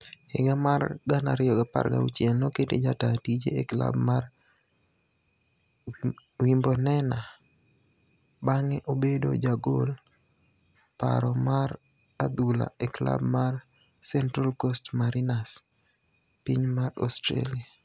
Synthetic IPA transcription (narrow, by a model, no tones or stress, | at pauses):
ɪɡamarɡana̰ɾɪɔɡapa̰rɡa̰ṵt͡ʃjɛnnɔketed͡ʒatatid͡ʒeekla̰bmar | wimbɔnɛna | baŋɛʔobedo̰d͡ʒaɡol | pa̰ɾɔmaɾ | ad̪ula̰ekla̰bmar | sɛntɾalkostmaɾinas | piɲmarɔstɾḛlɪa